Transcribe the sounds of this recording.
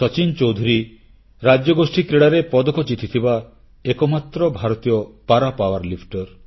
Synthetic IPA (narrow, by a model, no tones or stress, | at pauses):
sɔt͡ʃint͡ʃowd̪ʱuɾi | ɾad͡ʒjɔɡosʈikɾeɽaɾepɔd̪okʰɔt͡ʃit̪ʰit̪ʰiba | ekɔmat̪ːɾɔbʱaɾɔt̪ijɔpaɾapawaɾlipʰʈɔɾ